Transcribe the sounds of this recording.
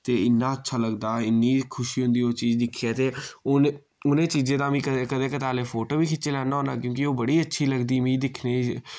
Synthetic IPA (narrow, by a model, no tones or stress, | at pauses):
t̪eːɪnːãːətːʃʰaːləɡd̪aːɪnːiːkʰʊʃiːɦʊ̃nd̪iːoːt͡ʃiːd͡ʒd̪ɪkʰːiaːt̪eːʊn | ʊnẽːt͡ʃiːzẽːd̪ãːmĩːkəkəd̪eːkət̪aːleːpʰoːʈoːʋiːkʰɪtːt͡ʃeːlɛːnaɦoːna̰ːkjõːkioːbəɽiːətːʃʰiːləɡd̪iːmĩːd̪ɪkʰneː